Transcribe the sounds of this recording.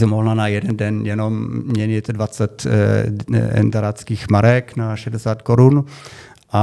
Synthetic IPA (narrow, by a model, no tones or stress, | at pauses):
sɛmoɦlanajɛdɛndɛnjɛnommɲɛɲɪt̪dvat͡sɛt̪ | ɛ̰nd̪aɾat͡skiːxmaɾɛknaʃɛdɛsaːt̪koɾun | ʔa